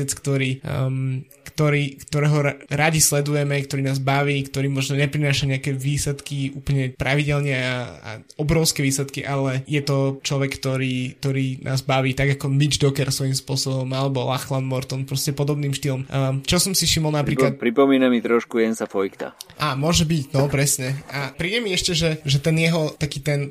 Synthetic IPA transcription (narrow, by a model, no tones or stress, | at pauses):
ɛt͡skt̪ɔɾiː | kt̪ɔɾiːkt̪ɔɾɛːɦɔɾaɟislɛd̪ujɛmɛkt̪ɔɾiːnaːzbaʋiːkt̪ɔɾiːmɔʒnɔɲɛpɾinaːʃaɲɛakɛʋiːslɛt̪kiuːpl̩ɲɛpɾaʋiɟɛlɲɛaa̰ | ɔbɾɔʊskɛʋiːslɛt̪kiʔalɛjɛt̪ɔt͡ʃlɔʋɛkkt̪ɔɾiːk̚t̪ɔɾiːnʔa̰ːzbaʋiːt̪aɡakɔmid͡ʒd̪ɔkɛɾsʋɔjimspʊɔsɔbɔmalɛbɔlaxlanmɔɾt̪ɔnpɾɔscɛpɔd̪ɔbniːmʃt̪ilɔmt͡ʃɔsɔmsiʃimɔlˠnappɾiklat̪pɾipɔmiːnamit̪ɾɔʃkujɛnsafɔjkt̪a̰ʔaːmʊɔʒɛbicnɔpɾɛsɲɛapɾiːɟɛmiɛʃcɛʒɛʒɛt̪ɛnjɛɦɔt̪akiːt̪ɛn